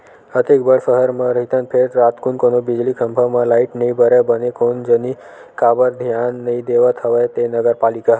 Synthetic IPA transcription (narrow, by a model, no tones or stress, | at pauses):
ət̪ekbəɭsəɦəɾmãɾəit̪ənpʰeɾɾat̪kunkonobid͡ʒlikʰəmbʱamãlaiʈnəĩbəɾabənekond͡ʒəni | kabəɾd̪ʱjanːəĩd̪eʋat̪ʰəʋajt̪enəɡəɾpalika